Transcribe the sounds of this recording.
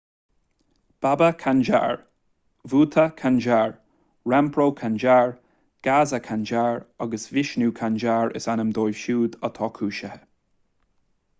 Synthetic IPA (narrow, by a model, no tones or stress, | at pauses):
b̥abəkʰand͡ʒa̰ɹ | vuːt̪ʰəkʰand͡ʒaːɹ | ɹɛmpʰɹoːkʰand͡ʒaɹ | ɡ̥aːzəkʰand͡ʒaːɹaɡəsvɪʃnuːkʰand͡ʒaːɹɪ̰sanəmd̪oːjvʃuːd̪ət̪ʰɔːkʰuːʃəhə